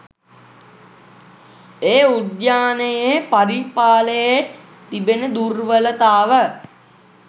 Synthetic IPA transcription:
eːud̪jaːnəjepaɾipaːləje | t̪ibenəd̪urʋələt̪aːʋə

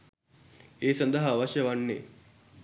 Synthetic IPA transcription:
eːsɐnd̪ɐɦaʋɐʃjɐʋɐnːe

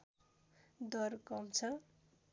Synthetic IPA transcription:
d̪ʌrkʌmt͡sʰʌ

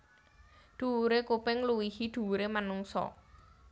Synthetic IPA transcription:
d̪̥ṳɾekupɪŋluwihiɖ̪̥ṳuɾemanuŋsɔ̰

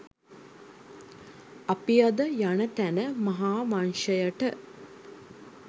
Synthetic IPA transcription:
apijad̪əjanət̪ænəmɐɦaːmanʃəjəʈə

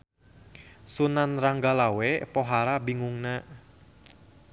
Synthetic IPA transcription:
sunanraŋɡalawepoɦaɾabiŋuŋnaʔ

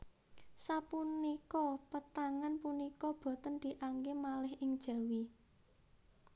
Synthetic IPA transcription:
sapunikɔpət̪aŋanpunikɔb̥ɔ̤t̪ənd̪̥i̤ʔaŋɡemalɪhʔɪŋd̥ʒ̥ä̤wi

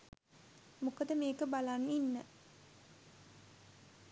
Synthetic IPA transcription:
mukəd̪əmeːkəbalanːinːə

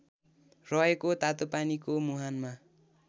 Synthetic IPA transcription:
rʌekot̪at̪opanikomuɦanma

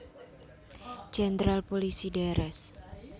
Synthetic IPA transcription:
d͡ʒɛnd̪ɾalpolisidaɾɛs

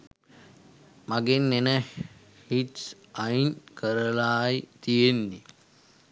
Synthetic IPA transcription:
maɡenːenə | hiʈs | ainkəɾəlaːjt̪ijenːi

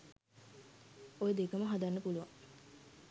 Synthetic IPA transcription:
ojed̪ekəməɦad̪anːəpuluʋaŋ

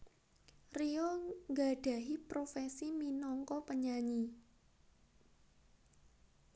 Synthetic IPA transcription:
riɔŋɡaɖ̥ä̤ɦipɾofɛsiminɔŋkɔpəɲaɲi

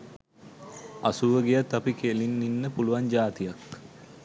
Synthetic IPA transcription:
asuʋəɡejat̪apikelinːinːəpuluʋaɲd͡ʒaːt̪ijak

